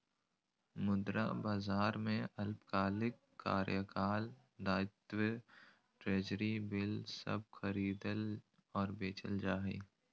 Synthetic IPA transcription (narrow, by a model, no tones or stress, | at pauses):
mʊd̪ɾa̰baːzaːɾmẽɐlpkaːlɪkːa̰ːɾjəkaːl | d̪aːɪt̪wə | ʈɾeːd͡ʒəɾibɪlsə̰b̚xəɾiːd̪əl | ɔːɾbeːt͡ʃəld͡ʒaːɦḭː